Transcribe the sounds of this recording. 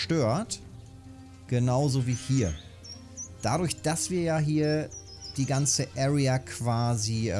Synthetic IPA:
ʃtøːɐt | ɡ̥ənaʊzoːviːhiːɐ | d̥adʊɐçd̥asv̥iːɐjaːɦiːɐ | d̥iːɡant͡səʔɛːʁiakʰv̥aːzi

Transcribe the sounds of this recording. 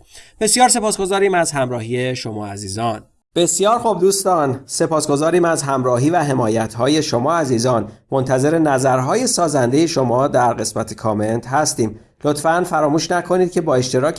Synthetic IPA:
b̥e̞sjɒːɾs̬e̞pɒːsɡo̞zɒːɾiːmæzhæmɾɒːhieʃomɒ̰ːæziːzɒːn | b̥e̞sjɒːɾxob̚d̪uːst̪ɒːnse̞pʰɒːsɡo̞zɒːɾiːmæzɦæmɾɒːɦiːvæɦe̞mɒːjæt̪ʰhɒːje̞ʃo̞mɒːæziːzɒːnmo̞nt̪ʰæze̞ɾe̞næzæɾɦɒːje̞sɒːzænd̪ejeʃo̞mɒːd̪æɾɢe̞smæt̪ʰe̞kʰɒːme̞nt̪ʰhæst̪iːm | lo̞t̪fænfæɾɒːmuːʃnækʰo̞niːd̪̥̚cʲʰe̞bɒːe̞ʃt̪e̞ɾɒːc

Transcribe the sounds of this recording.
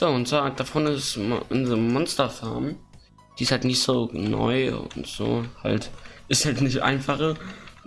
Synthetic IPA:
z̥oːʊntt͡saːd̥afɔnɪsʔʊndzəmɔnstɐfaɐm | d̥iːɪshaltnɪçtz̥oːnɔ̰ʏʊ̰ntz̥o̰ːha̰ltɪsthaltnɪçtʔa̰ɪnfaχə

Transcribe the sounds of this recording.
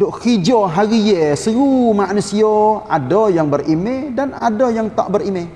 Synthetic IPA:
doʔkid͡ʒɔɦaɣijesəɾumaʔnusioadojaŋbərimedana̰dojaŋt̪a̰ʔbərime

